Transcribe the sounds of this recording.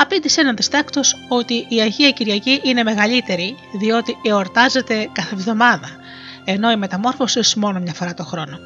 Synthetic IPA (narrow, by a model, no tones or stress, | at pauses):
ɐpid̪isenɐnd̪ist̪ekt̪o̞so̞t̪iʔːɐʝiɐciɾʝɐciʔine̞me̞ɣɐʎit̪e̞ɾi | ðio̞t̪ieo̞ɾt̪ɐze̞t̪e̞kɐθevðo̞mɐðɐ | e̞no̞ime̞t̪ɐmo̞ɾfo̞sismo̞no̞mɲɐfo̞ɾɐt̪o̞xɾo̞no̞